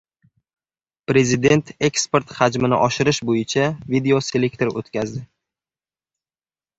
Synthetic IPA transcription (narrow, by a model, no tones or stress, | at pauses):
pɾe̞zid̪e̞nt̪ʰe̞kspe̞ɾt̪had͡ʒmɪnɪ̰ʔɒʃɪɾɪʃbojɪt͡ʃʰavid̪e̞o̞se̞lek̚ʲt̪ʰe̞ɾo̰t̪kʲʰazd̪ɪ